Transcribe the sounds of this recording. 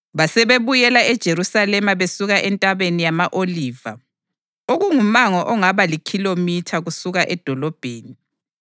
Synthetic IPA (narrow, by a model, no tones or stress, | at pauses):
βasɛβeβujɛlaɛd̥ʒ̥ʱeɾusalɛmaβesuɣaʔɛntʼaβenijamaʔoliːva | oɣuŋumaŋɔʔɔŋaβalikʰilomitʰaɣusuɣaʔɛd̥ʱɔlɔb̥ʱeːni